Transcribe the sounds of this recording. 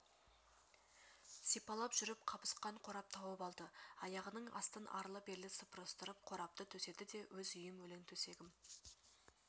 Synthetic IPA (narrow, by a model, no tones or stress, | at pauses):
sijpɑlˠɑpʒʏɾɪpqʰɑpə̥sqɑɴqʰo̞ɾɑp̚t̪ʰɑwəpɑlˠd̪əɑjɑʁənəɴɑ̰st̪ənʔɑ̰ɾlˠəpe̞ɾlɪsəpʰəɾəst̪əɾəp̚qʰo̞ɾɑp̚t̪ət̪ʰɵse̞d̪ɪd̪e̞wʔɵzʏjɪmwɵlɪŋt̪ʰɵse̞ɡʲɪm